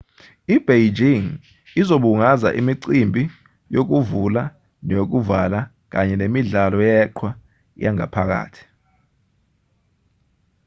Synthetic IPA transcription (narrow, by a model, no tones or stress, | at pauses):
ib̥ʱejd͡ʒiŋ | izoɓuŋaza̰ʔimiǀimbʱi | jok̬uvula | nok̬uvala | k̬aɲɛnemiɮalɔjɛǃʰwa | jaŋa̰pʰak̬a̰ːtʰi̥